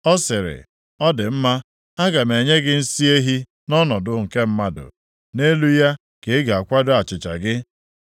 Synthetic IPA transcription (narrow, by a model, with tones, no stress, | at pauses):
ɔ˦sɪ˨ɾɪ̰˨ | ɔ˦dɪ˨m̩˦ma˦ | a˦ɡa˨me˨ɲe˦ɡɪ˦n̩˦si˦e˦ɦi˦ | nɔ˦nɔ˨dʊ˨ŋ̩˨ke˦m̩˦ma˦dʊ̰˨ | ne˦lu˦ja˦ | ke˨˦ɡa˨a˨kʷa˦dʊ˦a˨t͡ʃɪ˨t͡ʃa̰˨ɡɪ˦